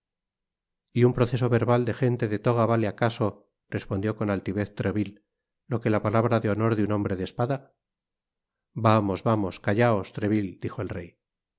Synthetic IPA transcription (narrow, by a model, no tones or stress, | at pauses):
iumpɾo̞θe̞s̬o̞βe̞ɾβald̪e̞xe̞nt̪e̞ðe̞t̪o̞ɣ̞aβaleakaso̞ | re̞spond̪jo̞ko̞nalt̪iβe̞θt̪ɾeβilː | o̞ke̞lapalaβɾaðeo̞no̞ɾðjuno̞mbɾe̞ðespaða | bamo̞zβamo̞skaʎao̞st̪ɾe̞βild̪ixo̞elrej